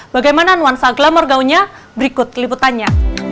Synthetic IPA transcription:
baɡajmananuansaɡlamɔrɡauɲabəɾikʊt̪̚liput̪anɲa

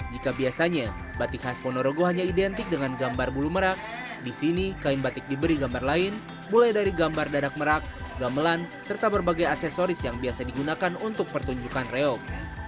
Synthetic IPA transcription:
d͡ʒikabiasaɲa | bat̪ɪkhaspɔnoɾoɡoɦaɲaidɛnt̪ɪk̚dəŋanɡambarbuluməɾak̚ | disinikaɪnbat̪ɪk̚dibəɾiɡambarlaɪn | mulajdaɾiɡambardadak̚məɾak̚ɡaməlansərt̪abərbaɡajasɛsoɾɪsjaŋbiasadiɡunakanunt̪ʊk̚pərt̪uɲd͡ʒukanreɔk̚

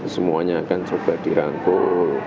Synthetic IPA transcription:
səmuaɲaːkant͡ʃob̥ad̥iɾaŋkoʔ

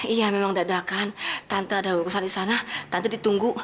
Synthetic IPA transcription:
ijamemaŋdaʔdakant̪ant̪uadakusalisanat̪ant̪udit̪uŋɡu

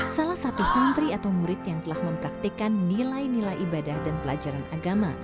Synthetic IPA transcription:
salahsat̪usənt̪ɾiat̪awmuɾɪt̪jaŋt̪əlahməmpɾak̚t̪ikanːilajnilajʔibadahdanpəlad͡ʒaɾanaɡama

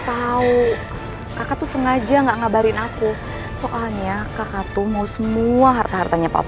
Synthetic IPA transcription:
p̪au | kakat̪usəŋad͡ʒaŋɡaʔŋabaɾɪnaku | soʔalɲakakat̪umausəmuaɦart̪aɦart̪aɲapa̰

